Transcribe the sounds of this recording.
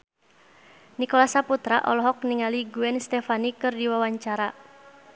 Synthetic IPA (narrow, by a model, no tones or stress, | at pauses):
nikɔlasaput̪ɾaʔɔ̰lɔɦɔk̚niŋaliɡuɛnst̪ɛfanikɨrdiwawaɲt͡ʃaɾa